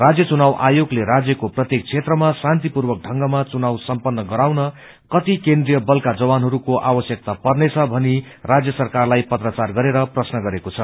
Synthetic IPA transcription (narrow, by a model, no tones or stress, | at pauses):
rad͡zjʌt͡sunawʔajoɡleɾad͡zjʌkoprʌt̪jek̚t͡sʰet̪rʌmasant̪ipurbʌk̚ɖʱʌŋɡʌmat͡sunawsʌmpʌnːʌɡʌɾawnʌ | kʌt̪ikend̪rijʌbʌlkad͡zʌwanɦʌɾukoʔabʌsjʌk̚t̪apʌrnet͡sʰʌbʱʌni | rad͡zjʌsʌrkarlajpʌt̪rʌt͡sarɡʌɾeɾʌprʌsnʌɡʌɾekot͡sʰʌ